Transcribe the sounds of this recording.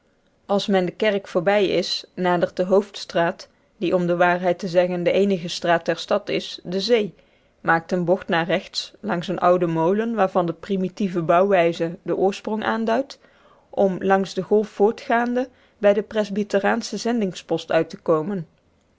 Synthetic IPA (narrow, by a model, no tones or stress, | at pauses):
ɑlˠsmɛndəkɛrkfʊːɹbɛjɪsnaːdəɹt̚dəɦowftstraːt | diʔɔmdəʋaːɹɦɛjtəzɛɣəndəʔejnəɣəstraːtɛɹstɑtɪsdəzej | maːk̚tənbɔxtnaːrɛxtslɑŋsənʔʌwdəmowlənʋaːɹvɑndəprimitivəbɑwʋɛjzədəʔʊːɹsprɔŋʔa̰ːndœɥt | ʔɔmlɑŋzdəɣɔlˠfːʊːɹtχaːndə | bɛjdəprɛzbitəraːnsəzɛndɪŋspɔstœɥtəkowmən